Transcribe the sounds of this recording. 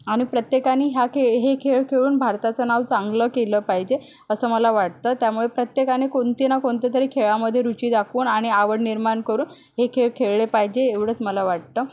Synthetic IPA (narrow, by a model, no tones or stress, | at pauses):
aɽ̃ipɾət̪jekanːiːɦjakʰeɦekʰeɭkʰeɭuːnbʱaɾt̪at͡sənaʋt͡saŋɡləkeləːpaɦid͡ʑe | əsəːməlaʋaʈ̚t̪əːt̪jamuɭepɾət̪jekaniːkoɳt̪inakoɳt̪jat̪əɾekʰeɭaməd̪ʱːjeɾut͡ɕiːd̪akʰuːnaɽ̃iaʋəɽniɾmaɳkəɾuːn | ɦekʰeɭkʰeɭɭepaɦid͡ʑeːʋɽət͡sməlaʋaʈ̚t̪əː